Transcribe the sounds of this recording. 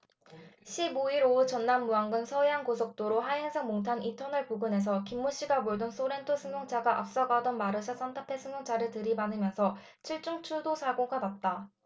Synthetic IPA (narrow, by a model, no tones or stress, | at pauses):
ɕʰiboiɾout͡ɕʌnːamːuaŋɡɯnsʰʌeɦankosʰok̚t͈oɾoɦaɦeŋsʰaŋmoŋtʰanintʰʌnʌɭpuɡɯne̞s̬ʰʌkimːuɕ͈iɡamoɭdonsʰoɾe̞ntʰɯsʰɯŋoŋt͡ɕ͈ʰaɡaʔa̰p̚s͈aɡadʌnmaɾɯsʰas͈ʰantʰapʰe̞sʰɯmjoŋt͡ɕʰaɾɯɭtɯɾibanɯmjʌnsʰʌ | t͡ɕʰiɭt͡ɕ͈uŋt͡ɕʰudosʰaɡoɡabat̚t͈a